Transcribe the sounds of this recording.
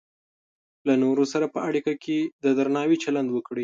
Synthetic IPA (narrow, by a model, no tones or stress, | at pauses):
lanoɾosaɾapəaɽikakʰed̪əd̪aɾnɑwit͡ʃaland̪wəkɽi